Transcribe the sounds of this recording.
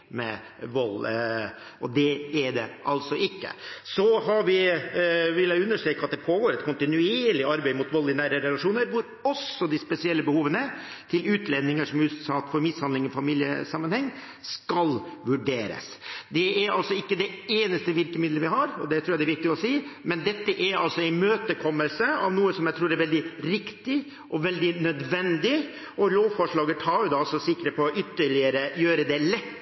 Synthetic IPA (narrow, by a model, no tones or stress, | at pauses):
mɛ̰ | ʋɔlː | ɔd̪ɛɛɖɛ̰ʔɑlsɔʔɪkːə̰sɔhɑʋɪ | ʋɪlːæʉnːəʂʈɾøːkɑt̪̚d̪ɛpʰoːɡoːɾɛt̪kʊnt̪ɪnʉeeːɾɭɪʔɑɾbæɪmʊt̪ʋɔlːɪnæːɾəɾɛlɑʂuːnəɾʋʊɾ | ɔsɔd̪ɪspɛsɪɛlːəbəhuːʋənə | t̪ʰɪlʉːt̪lɛnːɪŋəʂɔmjʉst̪sɑːt̪fɔɾmɪshɑnd̪ɪŋɔfɑmiːljə̰sɑmːənhɛŋː | skɑlʋʉɖeːɾə̰s | d̪ɛæɾɑlsɔɪkːəd̪ɛeːnəst̪əʋɪɾkəmɪd̪ləʋɪɦɑɾɔd̪ɛt̪ʰɾuːjæɛɾʋɪk̚t̪ɪɔsiːmɛnd̪ɛt̪ːəʔæɾɑlsɔæɪmøːt̪əkʰɔmːəlsəɑʋnuːəsɔmjæɪt̪ʰɾuːɾɛɾʋɛld̪ɪɾɪkt̪ɪ | ʔɔʋɛld̪ɪnœd̪ʋɛnd̪ɪ | ɔloːʋfɔʂɭɑːɡət̪ʰɑːɾjʊd̪ɑɑlsɔsɪkːɾəpʰɔɔʔʏt̪ːəɭɪəɾəjøːɾəd̪ɛlɛt̪ː